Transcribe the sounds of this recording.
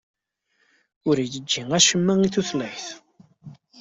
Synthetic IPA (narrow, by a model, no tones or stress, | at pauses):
ʊɾijəd͡ʒːiŋæʃəmːæŋiθuθləħθ